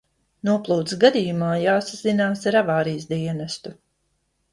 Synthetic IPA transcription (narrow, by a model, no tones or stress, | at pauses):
nuɔplˠuːt̪sɡad̪ʲijumaːjaːsazinaːsaɾavaːɾijs̬d̪iɛnast̪u